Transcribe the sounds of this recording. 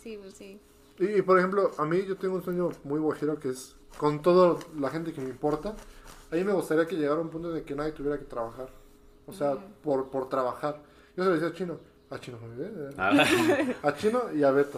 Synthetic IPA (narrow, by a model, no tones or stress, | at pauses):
sii | iːpo̞ɾexe̞mplo̞ʔamiʝo̞t̪eŋɡounsweɲo̞mujβexeɾo̞ke̞es | ko̞nt̪o̞ðolaxe̞nt̪e̞kemeimpo̞ɾt̪aaimeɣust̪aɾiake̞ʝeɣaɾaũmpũnt̪oðeke̞naðje̞t̪uβjeɾake̞t̪ɾaβaxaɾ | oseapoɾpo̞ɾt̪ɾaβaxaɾ | ʝoselosiat͡ʃino̞ | at͡ʃinomoβiβe | at͡ʃinoiaβe̞t̪a